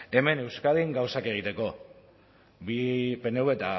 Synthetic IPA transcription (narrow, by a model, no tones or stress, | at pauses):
e̞me̞ne̞wskað̞iŋɡawsake̞ɣ̞it̪e̞ko̞ | bipe̞neuwβet̪a